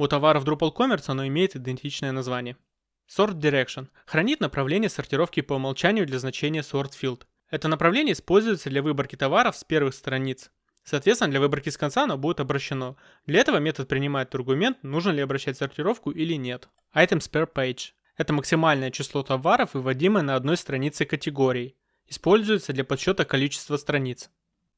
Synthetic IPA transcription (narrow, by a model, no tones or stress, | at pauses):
ut̪ɐvaɾəvd̪ɾʊpəlˠko̞mʲɪrt̪sɐno̞ɪmʲejɪt̪ɪd̪ʲɪnʲtʲit͡ɕnəjənɐzvanʲɪjə | so̞rt̪̚dʲɪɾʲekʂən | xɾɐnʲit̪nəpɾɐvlʲenʲɪjəsərtʲɪɾo̞fkʲɪpəmɐlˠt͡ɕænʲɪjʊd̪lʲɐznɐt͡ɕenʲɪjəso̞rt̪fʲilˠt̪ | ɛt̪ənəpɾɐvlʲenʲɪəɪspo̞lʲzʊjɪt̪səd̪lʲɐvɨbərkʲɪt̪ɐvaɾəfspʲe̞rvɨxst̪ɾɐnʲit̪s | sɐːt̪vʲet̪sɪnədlʲɐvɨbərkʲɪskɐnt̪saɐno̞budʲɪt̪ɐbɾəɕːɪno̞ | d̪lʲɐɛt̪əvəmʲet̪ət̪̚pɾʲɪnʲɪmajɪt̪ɐrɡʊmʲe̞nt̪̚nuʐnəlʲɪɐbɾɐɕːætʲsərtʲɪɾo̞fkʊʔilʲɪnʲe̞t̪ | ajt̪əmspʲɛrpejt͡ʃ | ɛt̪əməksʲɪmalʲnəjət͡ɕɪslˠo̞t̪ɐvaɾəfɨvɐdʲiməjənəɐd̪no̞jst̪ɾɐnʲit̪sɨkətʲɪɡo̞ɾʲɪː | ɪspo̞lʲzʊjɪt̪səd̪lʲɐpɐt̪ɕːo̞t̪əkɐlʲit͡ɕɪ̥st̪vəst̪ɾɐnʲit̪s